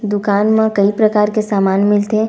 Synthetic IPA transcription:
d̪ʊkaːnmãkɐipɾɐkaːɾkesaːmaːnmɪlt̪ɛ

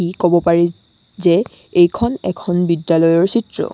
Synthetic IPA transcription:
ikobɔpaɹɛ | zɛ | ejkʰɔnɛkʰɔnbidːalɔjɔɹsitɹɔ̰

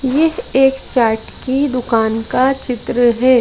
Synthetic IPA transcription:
jɛɦeːkt͡ʃaːʈkid̪ʊkaːnkat͡ʃɪt̪ɾəɦɛː

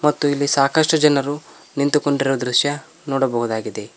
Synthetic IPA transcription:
mɐt̪ːuilːisaːkɐʂʈɐd͡ʒɐnɐɾu | nint̪uko̞ɳɖiɾuʋɐd̪ɾuʃjɐ | nɔːɽɐbɐɦud̪aːɡid̪e̞

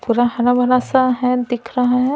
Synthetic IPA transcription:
puɾaɦɐnabɐɾasaɦɛ̃d̪ɪkʰɾɐɦaɦɛ̃

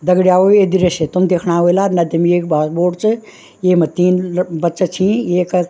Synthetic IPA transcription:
d̪ɐɡɽijaːoed̪iɾeset̪umd̪eːkʰnaɦoelaɾnɐd̪imeːkbaːsboːɖt͡ʃɨ | jemɐt̪iːnbɐtːt͡ʃət͡ʃʰĩeːk

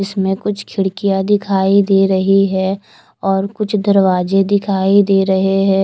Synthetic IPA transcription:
ɪsmẽkʊt͡ʃʰkʰɪɽkijad̪ɪkʰaːid̪eːɾɐɦiɦɛ | ɔːɾkʊt͡ʃʰd̪ɐɾʋaːd͡ʒed̪ɪkʰaːid̪eːɾɐɦeɦɛː

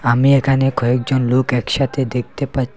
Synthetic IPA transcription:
amiekʰanekɔek̚d͡ʑonlokɛkʃat̪ʰed̪ek̚ʰt̪epatːʰ

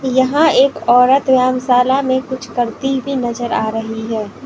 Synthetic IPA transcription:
jɐɦãeːkɔːɾət̪wjaːmsaːlamẽkʊt͡ʃʰkɐɾt̪ibʱinɐzəɾaːɾɐɦiɦɛː

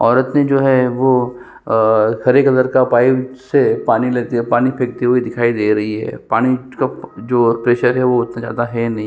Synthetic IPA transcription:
ɔːɾət̪ned͡ʒoːɦɛʋo | hɐɾeːkɐd̪əɾkapaːisepaːnileːt̪epaːnipʰeːk̚t̪eɦuid̪ɪkʰaːid̪eːɾɐɦiɦɛ̰ːpaːɽ̃ikad͡ʒoːpɾeːʃəɾɦɛʋoɪt̪nad͡ʒa̰ːd̪aɦɛnɐɦĩ

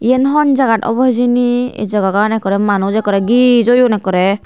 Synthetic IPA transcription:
ienɦɔnd͡ʒaɡaʈɔ̰bɔɦd͡ʒiniḛd͡ʒɔɡakanɛkɔɾɛmanud͡ʒɛkɔɾɛɡid͡ʒojɔnɛkːɔɾɛ

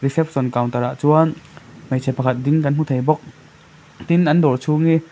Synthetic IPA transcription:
risɛp̚sɔnkawŋt̪ɐɾaʔt͡suɐnmejt͡sʰɛpɐkʰɐt̪̚dɪŋkɐn̥ut̪ʰejbɔk̚ | t̪inʔɐndɔrt͡sʰuŋi

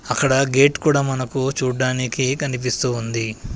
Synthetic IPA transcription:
ɐkːɐɽɐɡeːʈkuːɽaːmɐnɐkut͡ʃuːɖːaːnikikɐnip̬ist̪uːnd̪i

